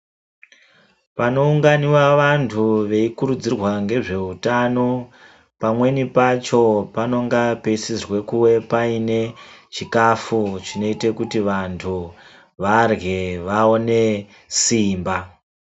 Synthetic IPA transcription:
pano̞uŋɡaniwaʋantʰuʋe̞ikuɾud͡zirwaŋɡe̞ʐe̞utano̞ | pamwe̞nipat͡ʃo̞pano̞ŋɡape̞sirwe̞kuwe̞paine̞t͡ʃikafut͡ʃino̞ite̞kutiʋantʰu | ʋarɣeʋaone̞ | siːmba

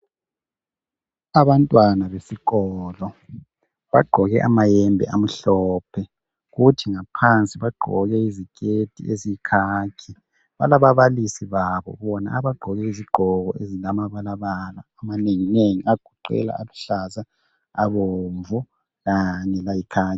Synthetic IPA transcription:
aβantʼwanaβesiɣɔːlɔ | βaɡ͡ǃʱɔɣɛ̰ʔamajɛmbʱɛ̰ʔam̩ɬɔːpʰɛ | ɣutʰiŋapʰant͡sʼiβaɡ͡ǃʱɔɣɛizikʼetʰʼḭezikʰaːkʰi | βa̰laβaβalisiβaβɔ̰βɔna̰aβaɡ͡ǃʱɔɣɛiziɡ͡ǃ̥ʱɔɣɔezilamaβalaβalaːmaneŋineŋiaɡ̥ʱuǃɛ̰la̰aluɬaza | a̰βoɱvu | ɣaɲɛlajikʰaː

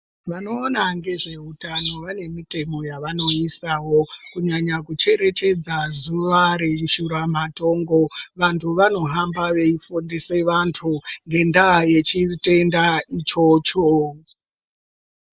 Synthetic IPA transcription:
ʋano̞ːnaŋɡe̞ʐe̞utano̞ʋane̞mite̞mo̞jaʋano̞isawo̞kuɲaɲakut͡ʃe̞ɾe̞t͡ʃe̞d͡zazuʋaɾeʃuɾamato̞ːŋɡo̞ʋantʰuʋano̞ɦambaʋe̞ifundise̞ʋantʰuŋɡe̞ndaje̞t͡ʃite̞ndait͡ʃo̞t͡ʃo

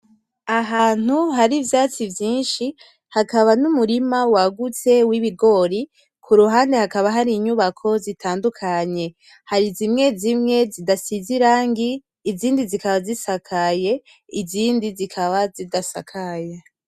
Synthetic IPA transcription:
aɦaːn̥huɦaɾivjaːt͡sivjiːnʃi | hakaβanumuɾimawaɡut͡se̞wiβiɡo̞ːɾi | kʰuɾuɦaːnde̞hakaβaɦaɾiɲuβakʰo̞zitʰaːndukʰaɲe̞ | haɾizimŋe̞zimŋe̞zidasiziɾaːŋɡiː | ziːndizikaβazisakʰaje̞ | iziːndizikʰaβazidasa̰kʰaje

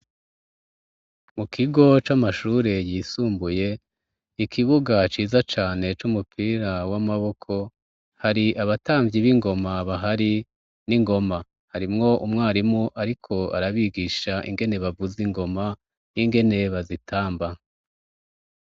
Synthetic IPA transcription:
mukʰiɡo̞t͡ʃamaʃuːɾe̞jisuːmbuje̞ | ikʰiβuɡat͡ʃiːzat͡ʃaːne̞t͡ʃumupʰiːɾawamaβo̞kʰo̞ | haɾiʔaβataːɱvjiβiŋɡo̞maβaɦaɾi | niŋɡo̞ma | haɾimŋo̞ʔumŋaːɾimuʔaɾikʰo̞a̰ɾaβiɡiʃaʔḭŋɡe̞ne̞βavuziŋɡo̞ma | niŋɡe̞ne̞βazitʰaːmba

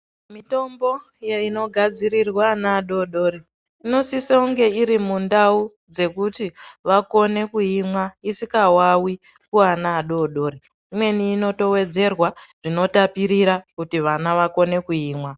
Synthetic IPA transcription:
mito̞mbo̞ | jeino̞ɡʱad͡ziɾirwanaːɗo̞ɗo̞ːɾe | ino̞sisauŋɡe̞iɾimundau | d͡ze̞kutiʋako̞ne̞kuimwaisikawawi | kuanaːɗo̞ɗo̞ːɾe | imwe̞niːno̞to̞we̞d͡ze̞rwaʐ̥ino̞tapiɾiɾakutiʋanaʋako̞ne̞kuiːmwa

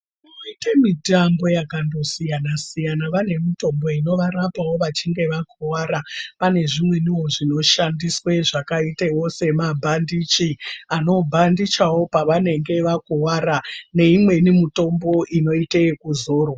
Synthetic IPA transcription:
i | oitamitambo̞jakando̞sijanasijanaʋane̞mito̞mbo̞ino̞ʋaɾapawo̞ʋat͡ʃiŋɡe̞ʋakʰowaɾapane̞ʐimwe̞niwo̞ʐino̞ʃandiswe̞ʐakaitewo̞se̞mabʱandit͡ʃiano̞bʱandit͡ʃawo̞paʋane̞ŋɡe̞ʋakowaɾane̞imwe̞nimito̞mbo̞ʔino̞itekuzoːro

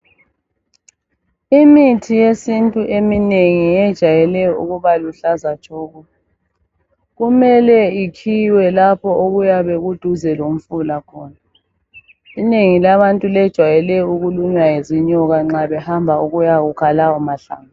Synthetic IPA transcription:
imitʰijesintʼuʔemineŋiɛd̥ʒ̥ʱajɛlɛṵɣuβaluɬazḁt͡ʃʰʼɔːɣɔ | ɣumɛlɛikʰiwɛlapʰɔʔoɣujaβeɣud̥ʱuzɛlom̩fulakʰɔːna | ineŋilaβantʼulɛd̥ʒ̥ʱwajɛlɛuɣuluɲwajeziɲɔɣaŋ͡ǁaβɛhambʱauɣujaɣukʰalawɔmaɬa̰ːŋa

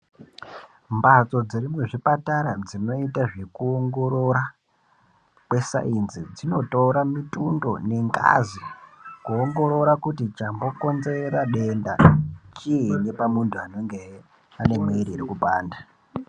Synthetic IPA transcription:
mbat͡so̞d͡ziɾimwe̞ʐipataɾad͡zino̞itaʐe̞kuoŋɡo̞ɾo̞ɾa | kwe̞sa̰inzid͡zino̞tauɾamitundo̞̰ne̞ŋɡa̰zikuoŋɡo̞ɾo̞ɾakutit͡ʃambo̞ko̞nze̞ɾaɗe̞ndat͡ʃine̞pamuntʰuano̞ŋɡe | ane̞mweiɾiːɾikupaːnda

